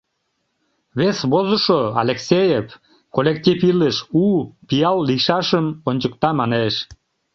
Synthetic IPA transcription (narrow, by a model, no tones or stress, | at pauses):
βesβozəʃoɑ̰lʲeksʲejef | kolʲek̚t̪ʲifiləʃupijɑlːiʃɑʃəmonʲt͡ɕəkt̪ɑmɑneʃ